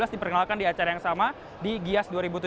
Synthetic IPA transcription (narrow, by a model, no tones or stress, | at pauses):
lasdipərkənalkandiat͡ʃaɾajaŋsama | diɡiasduaɾibut̪u